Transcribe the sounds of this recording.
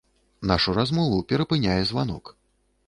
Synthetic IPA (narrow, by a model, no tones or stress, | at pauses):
naʂuɾazmɔvupʲɛɾɐpɨnʲajɛzvanɔ̰k